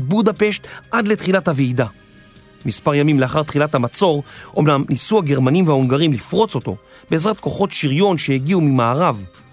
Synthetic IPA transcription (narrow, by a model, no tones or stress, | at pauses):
budape̞ʃtʔadletχilathaviida | mispaʁjamimleaχaʁt̪χilathamat͡so̞ʁʔo̞̰mnamnisuaɡe̞ʁmanimveaoŋɡaʁimlifʁo̞t͡so̞to̞̰ | be̞ezʁat̪̚ko̞χo̞tʃiʁjo̞nʃe̞eɡiumimaːʁav